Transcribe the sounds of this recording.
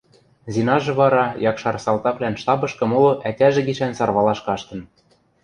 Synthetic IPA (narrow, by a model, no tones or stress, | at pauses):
zinɑʒɤ̆βɑɾɑjɑkʃɑrsɑlt̪ɑklænʃt̪ɑbɤ̆ʃkɤ̆molŏʔætʲæʒɘ̆ɡiʃænsɑrβɑlɑʃkɑʃt̪ɤ̆n